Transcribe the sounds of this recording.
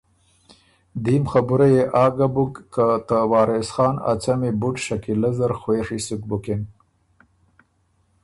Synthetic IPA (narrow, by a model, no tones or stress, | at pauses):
d̪imxabuɾajeʔɑːɡabukːat̪awɑːɾesxɑːna̰t͡samebuʈʃakilazaɾxweːʂisuk̚buken